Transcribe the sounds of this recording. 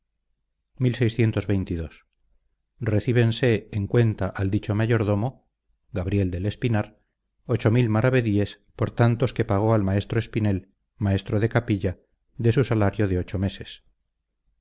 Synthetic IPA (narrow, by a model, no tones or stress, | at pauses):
milsejsθje̞nt̪ozβejnt̪iðo̞s | reθiβ̞e̞nse̞ːŋkwe̞nt̪aʔald̪it͡ʃomaʝo̞ɾðo̞mo | ɣaβ̞ɾje̞ld̪e̞le̞spinaɾ | ot͡ʃo̞milmaɾaβe̞ðie̞s | poɾt̪ant̪o̞ske̞paɣ̞o̞almae̞st̪ɾoespine̞l | mae̞st̪ɾoðe̞kapiʎa | d̪e̞susalaɾjoðeo̞t͡ʃo̞me̞se̞s